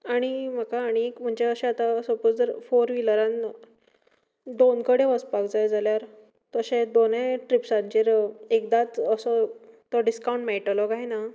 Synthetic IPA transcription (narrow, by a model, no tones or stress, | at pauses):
aɽ̃im̤əkaːɽ̃iekm̤əɳd͡ʑeəɕeat̪asəpod͡zd͡zəɾfoɾʋiləɾãn | d̪onkəɽeʋəspakd͡zajd͡zʱaljaɾ | t̪əɕed̪oneʈɾipsãnt͡ɕeɾekd̪at͡s̪əsɔt̪ɔɖiskawũɳʈmeʈlɔkaɦina